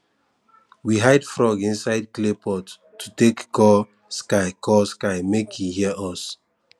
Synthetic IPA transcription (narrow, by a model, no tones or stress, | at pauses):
wiɦaɪdfɹɔɡĩnsaɪd̚klepʰɔtːʰ | utekkɔ | skaɪkʰɔskaɪmekʰjihiɛʔɔs